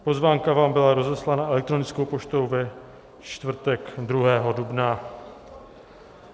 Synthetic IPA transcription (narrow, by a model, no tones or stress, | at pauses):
po̞zvaːŋkavaːmbɪlaɾo̞zɛslanaɛlɛk̚t̪ɾo̞nɪt͡sko̞wpo̞t͡ʃt̪owvɛ | t͡ʃt̪vr̩t̪ɛkd̪ɾuɦɛːɦo̞dubna